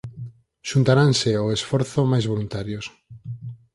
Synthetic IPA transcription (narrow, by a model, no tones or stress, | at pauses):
ʃunt̪aɾanseoesfɔɾθomajzβolunt̪aɾjos